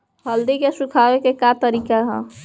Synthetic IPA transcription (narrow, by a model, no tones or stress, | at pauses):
ɦəld̪ikesukʰabekekat̪əɾiːkaɦə̰̃